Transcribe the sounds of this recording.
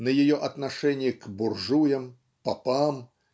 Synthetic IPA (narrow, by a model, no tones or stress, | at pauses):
nɐjajɔʔɐt̪naʂɛnʲːjikburʐujɐm | papam